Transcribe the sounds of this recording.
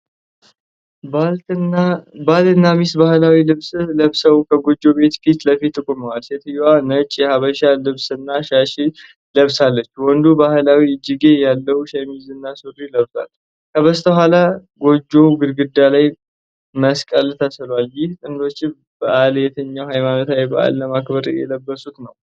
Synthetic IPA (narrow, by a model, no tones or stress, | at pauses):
bal | balt̪ɨnːamisbahlawilɨβsləβsəwkʰəɡo̞d͡ʒːo̞be̞t̪kit̪ləfit̪ːɨkʼoməwalset̪ʰɨjwanət͡ʃʼːjɛhaβəʃalɨβsɨnːaʃaʃi | ləβsalːət͡ʃːwɔnd̪ubahlawid͡ʒiɡe̞jalːəhuʃemizɨnːasuriləβsa̰l | kʰəβəst̪ʰəhalaɡo̞d͡ʒːo̞ɡɨɾɡɨd̪ːalaj | məskʼəlɨt̪ʰasɨlwaljɪht̪ʼɨnd̪o̞t͡ʃːɪ | b̥əʔaljɛt̪ʰəɲːawhajmanot̪lajbə̰ʔa̰lːəmakbəɾjɛ̰ləbːəsut̪nəw